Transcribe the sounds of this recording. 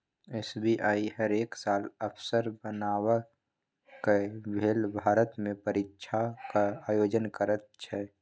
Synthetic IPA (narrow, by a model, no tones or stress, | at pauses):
eːsbiʔaːiɦəɾeːksaːləpʰsəɾbənaːwə | kebʱeːlbʱaːɾət̪mẽpəɾɪtːʃʰakaaːjoːd͡ʒənkəɾət̪̚t͡ʃʰɛ